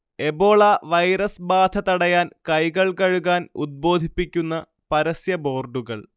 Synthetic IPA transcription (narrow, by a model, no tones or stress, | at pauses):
e̞bo̞ːɭaʋɐjɾɐsbaːd̪ʱʰɐt̪ɐɽɐjaːnkɐjɣɐɭkɐɻuɣaːnṵd̪̚bo̞ːd̪ʱipːikʲːunːɐ | pɐɾɐsjɐbo̞ːrɖuɣɐɭ